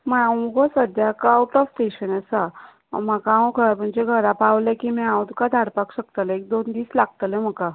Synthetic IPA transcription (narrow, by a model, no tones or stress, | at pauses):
maãmuɡɔsəd̪ʱjakauʈɔsʈeɕənɛsa | makaũɡʱəɾm̤əɳd͡zeɡʱəɾapawlekimɛ̃awd̪kad̪ʱaɾpakɕəkt̪əlek̚d̪ond̪iːslak̚ʰt̪əlɛ̃m̤əka